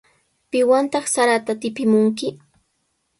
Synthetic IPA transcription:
pɪwant̪ɑχsaɾat̪at̪ɪpɪmʊŋk̬ɪ

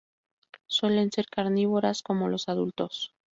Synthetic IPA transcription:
swe̞le̞nse̞ɾkaɾniβoɾasko̞mo̞lo̞saðult̪o̞s

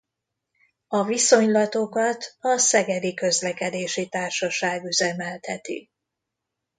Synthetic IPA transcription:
ɒviso̞ɲlɒt̪o̞kɒt̪ɒsɛɡɛd̪ikø̞zlɛkɛd̪eːʃit̪aːrʃɒʃaːɡyzɛmɛlt̪hɛt̪ḭ

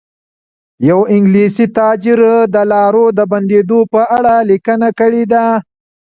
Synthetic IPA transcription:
jawɪŋɡlisit̪ɑd͡ʒɪɾd̪əlɑɾod̪əband̪ed̪opəaɽalikənakəɽed̪a

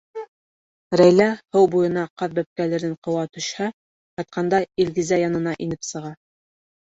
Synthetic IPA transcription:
ɾæjlæhɤwbujɤ̆nɑqɑðbæp̚kælɘ̆ɾɘɴqɤ̆wɑt̪ɵ̆ʃhæ | qɑt̪̚qʰɑnd̪ɑilɡizæjɑnɤ̆nɑʔinɘpsɤ̆ʁɑ

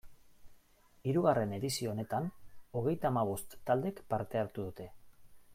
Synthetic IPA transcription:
iɾuɣare̞ne̞ðisio̞ne̞t̪ano̞ɣ̞e̞jt̪aːmaβ̞o̞st̪ːald̪e̞kpaɾt̪e̞aɾt̪uðut̪e̞

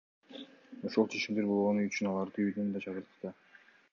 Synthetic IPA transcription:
oʃulˠt͡ʃʰe̞t͡ʃimd̪eɾbo̞lˠʁo̞nyjyt͡ʃynɑlˠɑɾd̪ɯyjd̪ynd̪ɑt͡ʃʰɑʁɯɾt̪ɯ̥t̪ɑ

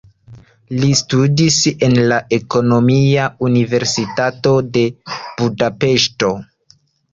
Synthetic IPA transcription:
listudise̞nlaʔe̞ko̞no̞miaunive̞ɾsitato̞de̞b̥udape̞ʃto̞

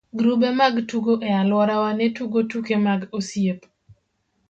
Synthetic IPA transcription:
ɡɾubemaɡtuɡoʔɛalwɔɾawanɛtuɡotukemaɡosjep

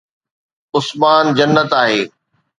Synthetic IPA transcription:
ʊsmaːnd͡ʑɐnːət̪aːɦeː

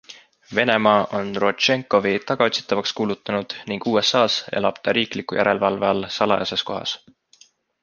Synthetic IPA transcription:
ve̞ne̞mɑːʔo̞nro̞t̪t͡ʃe̞ŋkˑo̞vit̪ɑɡ̥ɑot̪si̥t̪ːˑɑvɑkskuːlut̪ːˑɑnud̪̥niŋɡ̥uːe̞sːɑːsḛlɑb̥t̪ɑɾiːklikːˑujæɾe̞lvɑlveɑlsɑlɑ̰jɑse̞sko̞ɦɑ̰s

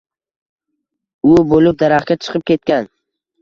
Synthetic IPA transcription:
ʊbolɪp̚d̪aɾaχkʲat͡ʃʰɨ̥qʰɨp̚kʲe̞t̪̚kʲan

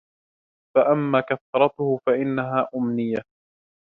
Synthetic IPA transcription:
faʔamːaːkaθɾˤɑt̪ʊhʊfaʔɪnːaɦaːʔʊmnɪjːa

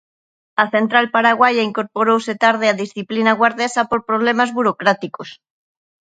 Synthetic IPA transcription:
ɐθent̪ɾalpaɾaɣwajaiŋkoɾpoɾowset̪aɾð̞eaðisθiplinaɣwaɾðesapoɾpɾoβlemazβuɾokɾat̪ikos

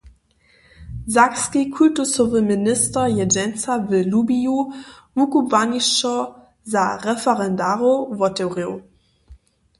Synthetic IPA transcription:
zakskikʰultusovəminɪstɐjɛd͡ʒɛnt͡savəlubiju | vukuvaniʃɔ | zaʁɛfɛʁɛndaʁovɔtɛwʁeʊ

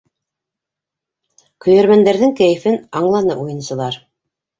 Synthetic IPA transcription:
kɵ̆jæɾmænd̪æɾðɘŋkæjɘ̆fɘnɑɴlˠɑnɤʔujɤ̆nsɤ̆lˠɑɾ

